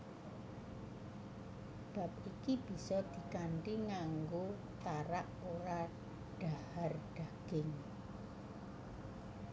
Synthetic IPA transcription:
b̥a̤p̚ikib̥i̤sɔd̪̥i̤kaɳʈiŋaŋɡo | t̪aɾaʔoɾa | ɖ̥a̤harɖ̥a̤ɡ̥ɪŋ

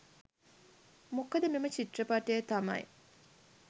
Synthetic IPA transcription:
mokɐd̪əmemət͡ʃiʈrəpaʈejət̪amɐ̰j

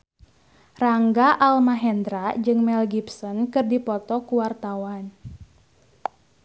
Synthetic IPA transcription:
raŋɡaʔalmaɦɛnd̪ɾaʔd͡ʒɨŋmɛlɡipsɔnkɨrdipɔt̪ɔkuwart̪awan

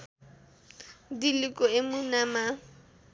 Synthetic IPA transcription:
dilɪkʼɔɪmʊnama

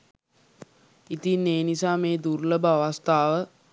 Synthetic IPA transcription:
it̪inːeːnisaːmeːd̪urləbəaʋast̪aːʋə

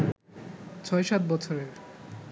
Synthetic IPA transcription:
t͡ɕʰɔeʃat̪̚bɔt͡ɕʰoɾeɾ

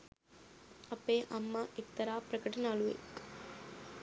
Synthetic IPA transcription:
ɐpeːʔɐmːaʔek̚t̪ɐɾaːpɾɐkɐʈɐnəɐluʋḛ

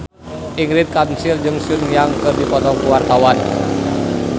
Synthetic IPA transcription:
ʔiŋɡɾɪt̪̚kansird͡ʒɨŋsunjaŋkərdipɔt̪ɔŋkəwart̪awan

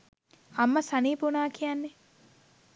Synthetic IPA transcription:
ɐmːɐsɐniːpunaːkʰijanːe

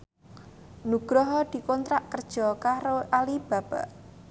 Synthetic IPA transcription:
nuɡ̥ɾɔɦɔd̪̥i̤kɔnt̪ɾaʔkərd̥ʒ̥ɔ̤kaɾoʔalib̥a̤b̥a̤ʔ

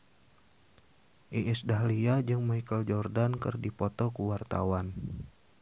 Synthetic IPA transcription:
ʔiʔːsdaɦliad͡ʒɨŋmaijkəld͡ʒɔrdankɨ̰rdipɔt̪ɔkuwart̪a̰wan

